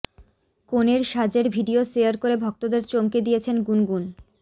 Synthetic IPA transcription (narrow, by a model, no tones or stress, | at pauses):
koneɾʃad͡ʑeɾbʱiɖiosejaɾkoɾebʱɔk̚t̪od̪eɾt͡ɕomked̪ijet͡ɕʰenɡunɡun